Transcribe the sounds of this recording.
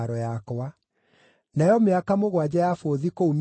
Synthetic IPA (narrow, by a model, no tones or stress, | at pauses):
ɾɔjakɔwa | najɔmeakamoɣwad͡ʑajafoðikoum